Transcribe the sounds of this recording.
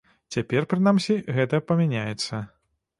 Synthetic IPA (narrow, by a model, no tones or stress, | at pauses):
t͡sʲapʲɛrpɾɨnamsʲiɣɛt̪ɐpɐmʲanʲajɛt̪sːɐ